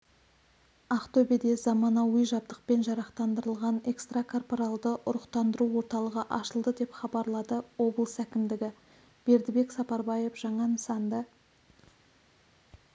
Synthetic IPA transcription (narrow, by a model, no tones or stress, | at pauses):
ɑqt̪ʰɵbed̪e̞zɑmɑnɑwəjʒɑb̚d̪əq̚pe̞nʒɑɾɑqt̪ɑnd̪əɾəlˠʁɑne̞kst̪rakʰo̞rpoɾalˠd̪əʔʊɾəqt̪ɑnd̪əɾuwo̞ɾt̪ɑlˠəʁəʔɑʃəlˠd̪əd̪e̞pχɑbɑɾlˠɑd̪əwo̞blˠəsækʲɪmd̪ɪɡʲɪ | b̥e̞ɾd̪ɪbe̞ksɑpɑɾbɑjefʒ̥ɑɴɑnəsɑnd̪ə